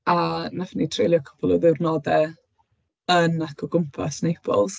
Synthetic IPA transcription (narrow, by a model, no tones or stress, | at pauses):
anafnitʰrelˠjɔkʰɔ̥pʰɔlˠɔðɪwrnɔdɛ | ənakʰɔɡʊmpʰa̰snejpʰɔ̰lˠz